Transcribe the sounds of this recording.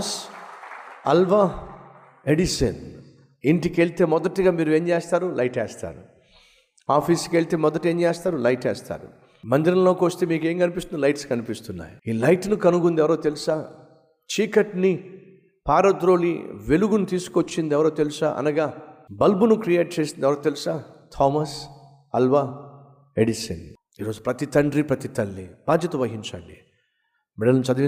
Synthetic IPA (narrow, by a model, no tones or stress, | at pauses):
s | ɐlʋa | eɖiʃɐ̰n | iɳʈikeɭt̪e̞ːmɔd̪ɐʈːiɡaːmiːɾue̞ːɲd͡ʒeːst̪aːɾulɐjʈeːst̪a̰ːɾu | aːpʰiːskeɭt̪e̞ːmɔd̪ɐʈe̞ːɲt͡ʃeːst̪aːɾulɐjʈɛ̰ːst̪a̰ːɾṵ | mɐnd̪iɾɐnlo̞ːkoːst̪eːmiːke̞ːŋkɐnipist̪unilɐjʈskɐnipist̪unːa̰ːjiiːlɐjʈnukɐnuɡund̪iɛʋɐɾoːt̪e̞lusaː | t͡ʃiːkɐʈni | paːɾɐd̪ɾo̞ːlḭʋeluɡunut̪iːsu̥kot͡ʃːind̪iɛʋɐɾoːt̪e̞lusaːʔɐ̰nɐɡaːbɐlbunukɾijeːʈ̚t͡ʃe̞ːsind̪ɛʋɐɾoːt̪elusaːt̪ʰɔːmɐs | ɐlʋaː | eɖisɐn | iːɾo̞ːd͡ʒupɾɐt̪it̪ɐɳɖɾipɾɐt̪it̪ɐlːib̥aːd͡ʒjɐt̪ɐʋɐɦiɲt͡ʃɐɳɖi | mɛɽɐlɐmt͡ʃɐd̪